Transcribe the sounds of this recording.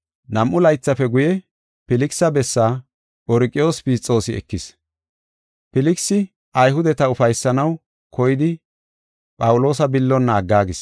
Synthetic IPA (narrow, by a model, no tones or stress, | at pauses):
nɐmʔʊlɐjt͡sːɐfɛɡʊjɛ | pɪlɪksɐbɛsːaː | ʔɔɾkʼːɪjo̞ːspiːt͡sʼːo̞ːsɪɛ̰kːɪs | pɪlɪksɪ | ʔɐjɦʊd̪ɛt̪ɐʊfɐjsːɐnɐw | kʰɔjɪd̪ɪ | pʼɐwʊlo̞ːsɐbɪlːɔnːaːɡːaːɡɪs